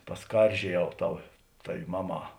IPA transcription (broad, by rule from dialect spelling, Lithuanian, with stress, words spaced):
pɐˈskɐrʲʒʲiɛˌjɛʊ ˈtɐʊ ˈtɑːʋʲɪ ˈmɑːˌmɑː